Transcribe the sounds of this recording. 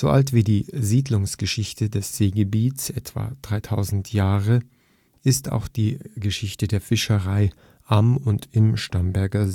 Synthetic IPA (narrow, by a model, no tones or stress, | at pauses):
z̥oʔaltv̥iːdiːziːdlʊŋsɡ̥əʃɪçtʰədɛsz̥eːɡəbiːtsʔɛtv̥a̰d̥ʁaɪtʰaʊzn̩tʰjaːʁə | ʔɪsta̰ʊxd̥iːɡəʃɪçtədeːɐfɪʃəʁaɪ | ʔamʊntɪmʃtambɛɐɡɐz